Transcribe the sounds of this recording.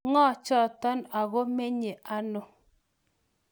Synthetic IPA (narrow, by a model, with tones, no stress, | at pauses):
ŋɔ˦˨t͡ʃɔ˦˨tɔ˦na˨ɣo˦me˦ɲe˨ʔa˦no˨